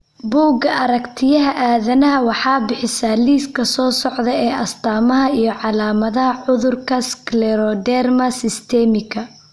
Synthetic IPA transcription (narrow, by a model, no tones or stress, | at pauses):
buːɡɐʔɐɾɐkt̪ʰɪjɐɦɐʔaːðɐnɐɦɐwɑħɑːbɪħɪsaːliːskʰɐsɔːsɔʕðɐɛːʔɐst̪ʰaːmɐɦɐijɞʕɑlaːmɐðɐɦɐʕʊðʊrkʰɐsklɛɾɔd̪ɛrmɐsɪst̪ʰɛmɪkʰɐ